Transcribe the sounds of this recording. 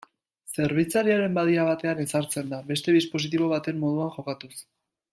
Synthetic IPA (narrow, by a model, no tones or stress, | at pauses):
se̞ɾβ̞it͡saɾiaɾe̞mbaðiaβat̪e̞ane̞saɾt͡se̞nd̪aβe̞st̪e̞ðispo̞s̬it̪̬iβo̞β̞at̪e̞mːo̞ð̞uaŋxo̞kat̪us